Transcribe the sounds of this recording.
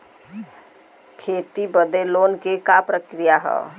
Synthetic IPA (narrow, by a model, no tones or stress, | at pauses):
kʰeːt̪ibəd̪eloːnkekapɾəkɾijaɦɛ̰ː